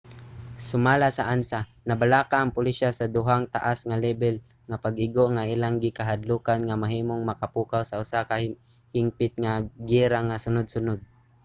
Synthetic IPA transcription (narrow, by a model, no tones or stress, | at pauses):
sʊmaːlasaʔansa | nabalakaʔːŋpʊliʃasad̪ʊɦaŋt̪a̰ʔasŋalɛbɛl | ŋapaɡʔɪɡoŋaʔilaŋɡɪkaɦad̪luːkanŋamaɦiːmoŋmakapuːkawsaʊsaka | hɪmpɪt̪̚ŋaɡiɾaŋasʊnʊd̪̚sʊnʊd̪̚